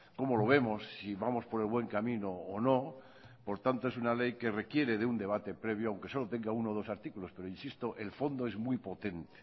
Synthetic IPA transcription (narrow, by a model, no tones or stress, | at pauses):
ko̞molo̞β̞e̞mo̞sːiβamo̞spo̞ɾe̞lβwe̞ŋkamĩnoːno̞ | po̞ɾt̪ant̪oesunale̞jke̞re̞kje̞ɾe̞ðeund̪e̞β̞at̪e̞pɾe̞β̞joawŋke̞so̞lot̪e̞ŋɡaunoð̞o̞saɾt̪ikulo̞spe̞ɾoinsist̪oʔelfo̞nd̪oe̞zmjpo̞t̪e̞nt̪e̥